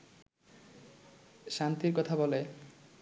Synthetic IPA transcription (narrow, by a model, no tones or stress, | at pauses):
ʃant̪iɾkɔt̪ʰabɔle